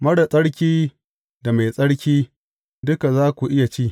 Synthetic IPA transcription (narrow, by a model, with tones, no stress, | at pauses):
mɐ˦ɽa˨sʼɐ˦ɽkʲiː˦ | da˨ma˨jsʼɐ˦ɽkʲiː˦ | dʊ˦ka˨zaː˦kʷu˨ʔɪ˦ja˨t͡ʃiː˦˨